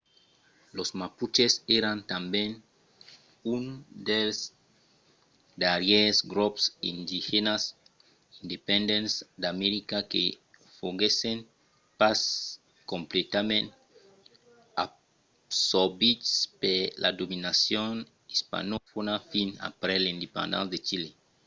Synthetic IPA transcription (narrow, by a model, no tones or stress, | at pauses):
losmaput͡ʃeseɾãnt̪ambẽn | und̪els | d̪aɾjesɡɾopsind̪ihenas | ind̪epẽnd̪ẽnsd̪ameɾikake | foɡesẽn | pas | kõmplet̪amẽnt̪ | a̰ | soɾbitspelʔa̰d̪ominasjon | ispa̰nofonafina̰pɾɛlĩnd̪epã̰nd̪ã̰nsd̪et͡ʃile